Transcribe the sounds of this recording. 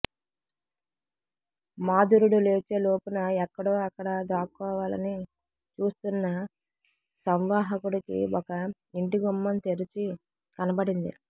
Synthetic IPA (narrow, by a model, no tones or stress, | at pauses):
maːd̪uɾuɽule̞ːt͡ʃe̞ːlo̞ːpunɐɛkːɐɽo̞ːɐkːɐɽɐd̪aːkːɔːʋaːlɐ̰ni | t͡ʃuːst̪unːɐ | sɐmʋaːɦɐkuɽikḭɔkɐ | iɳʈiɡumːɐnt̪e̞ɾit͡ʃi | kɐnɐbɐɽind̪ḭ